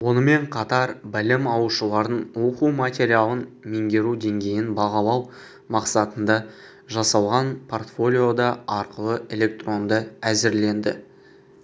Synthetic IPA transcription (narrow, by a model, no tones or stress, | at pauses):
wo̞nəme̞ɴqʰɑt̪ɑɾbɪlɪmɑwəʃəlˠɑɾənwo̞quwmat̪ʲe̞ɾʲialˠənme̞ŋɡʲe̞ɾud̪e̞ŋɡʲe̞jɪnbɑʁɑlˠɑw | mɑqsɑt̪ənd̪ɑ | ʒɑsɑlˠʁɑnpʰo̞rt̪fo̞lʲijo̞d̪ɑɑɾqəlˠəʔe̞lʲe̞k̚t̪ro̞nd̪əæzɪɾle̞nd̪ɪ̰